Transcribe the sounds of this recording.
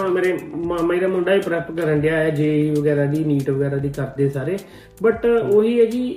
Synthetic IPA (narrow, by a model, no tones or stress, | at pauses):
ãːmeːɾeːmaːmãːiːɾaːmʊ̃ːɳɖaːiːpɾɛːpkəɾəɳɖɪjaːɛːd͡ʒeːiːʋəɡɛːɾaːd̪iːniːʈʋəɡɛːɾaːd̪iːkəɾd̪eːsaːɾeː | bəʈoːɦiːɛːkiː